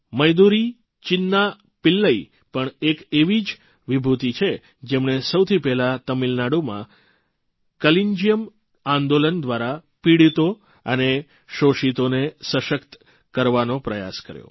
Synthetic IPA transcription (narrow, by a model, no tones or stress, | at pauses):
məjd̪uɾi | t͡ʃɪnːa | pɪlːəi | pəɳekeʋid͡ʒ | ʋibʱut̪it͡ʃʰe | d͡ʒemɳ̃esəwt̪ʰipɛɦlat̪əmilnaɽomã̰ | kəliɲd͡ʒijəm | ãnd̪olənd̪ʋaɾapiɽit̪o | əne | ʃoʃit̪onesəʃəkt̪ | kəɾʋanopɾəja̰skə̰ɾjo̰